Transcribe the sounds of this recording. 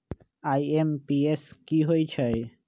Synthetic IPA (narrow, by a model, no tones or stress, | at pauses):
aːiempieskiɦoit͡ʃʰəe